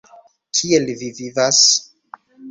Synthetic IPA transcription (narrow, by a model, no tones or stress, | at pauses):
kʰielvivivas